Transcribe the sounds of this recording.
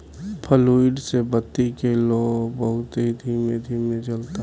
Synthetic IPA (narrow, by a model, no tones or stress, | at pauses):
pʰəluiɖsebət̪ːikeloːɡbəɦʊt̪ɦid̪ʱiːmed̪ʱiːmẽt͡ʃəlt̪a